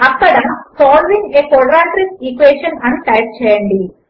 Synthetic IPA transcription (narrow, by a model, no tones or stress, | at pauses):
ɐpːɐɽɐmsoːlʋiɲeːkoɽɐɾaːʈɾisikʋeːʂɐnɐnːɨʈɐjp̚t͡ɕejɐːɳɖi